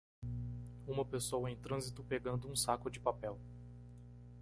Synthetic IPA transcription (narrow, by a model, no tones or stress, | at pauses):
ũmɐpesowɐẽj̃t̪ɾɐ̃zit̪ʊpeɡɐ̃nd̪ʊũsakʊd͡ʒɪpapɛw